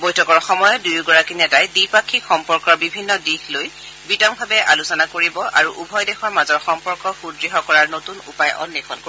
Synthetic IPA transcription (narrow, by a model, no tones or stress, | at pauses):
bɔjtʰɔkɔɹxɔmɔjɔdujɡɔɹakinɛtajdipakʰːikxɔmpɔɹkɔɹbibʱinːɔdixloj | bitɔŋbʱabɛʔalusɔnakoɹibɔʔa̰ɹuʔubʱɔjdɛxɔɹmazɔɹxɔmpɔɹkɔxudɹiɦɔkɔɹaɹnotunṵpajʔɔ̰nːikʰɔnko